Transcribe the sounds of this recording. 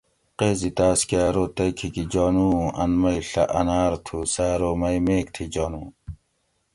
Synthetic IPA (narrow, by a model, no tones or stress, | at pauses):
qeːzit̪aːskaːɾoːt̪ɐjkʰikid͡ʑɔːnuːɐ̰nmɐjɬɐ̰ʔɐnaːɾt̪ʰusaːɾoːmɐjmeːk̚t̪ʰid͡ʑɔːnuː